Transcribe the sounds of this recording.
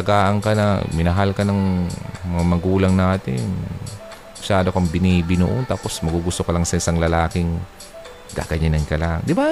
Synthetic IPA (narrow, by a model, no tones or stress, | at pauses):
ɐɡaːʔɐŋkɐnɐ̰mɪnɐɦalkɐnɐŋmɐŋamɐɡuːlɐŋnaːt̪ɪ̰n | mɐʃaːd̪okɐŋbɪnibɪno̰ʔont̪aːpo̞smɐɡuɡʊst̪okɐlaŋsɐɪsaŋlɐlaːkɪŋ | ɡa̰ːɡɐɲanɐnkɐlaʔŋd̪ɪba